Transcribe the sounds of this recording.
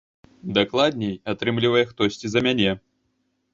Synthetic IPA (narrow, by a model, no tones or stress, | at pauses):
d̪aklˠad̪̚ʲnʲejat̪ɾɨmlʲivɐjɛxt̪ɔsʲt͡sʲizɐmʲanʲɛ